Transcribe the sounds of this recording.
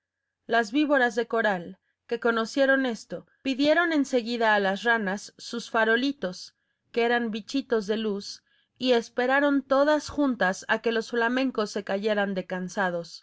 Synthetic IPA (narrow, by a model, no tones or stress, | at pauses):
lazβiβo̞ɾazðe̞ko̞ɾal | ke̞ko̞no̞sje̞ɾo̞ne̞st̪o̞ | piðje̞ɾo̞ne̞nse̞ɣiðaːlasranasːusfaɾo̞lit̪o̞s | keeɾambit͡ʃit̪o̞zðe̞lus | ie̞spe̞ɾaɾo̞nt̪o̞ðasxunt̪asake̞lo̞sflamẽ̞ŋko̞sːe̞kaʝe̞ɾand̪e̞kansað̞o̞s